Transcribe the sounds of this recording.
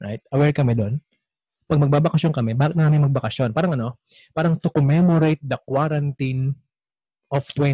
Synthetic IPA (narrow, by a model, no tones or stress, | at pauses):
ɹajt̪̚ɐwɛɹkɐmɛd̪o̞n | pɐɡ̚mɐɡ̚baːbɐkɐʃjonkɐmɛbaːkɪt̪̚mɐaːmɪŋmɐɡ̚bɐkɐʃjo̞npaːɾɐŋʔɐno | paːɾɐŋt̪ʊkomɛmoɾejt̪̚d̪ɐkwaɾɐnt̪in | ʔoft̪wɛ